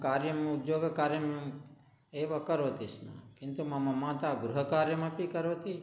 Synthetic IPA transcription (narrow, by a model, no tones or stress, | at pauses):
kaɾjəm̃ʊd̪joɡkaɾjəm̃ | eʋəkəɾot̪isnã̰kint̪umamãmãːt̪aɡɾuɦəkaɾjəmãpikəɾot̪i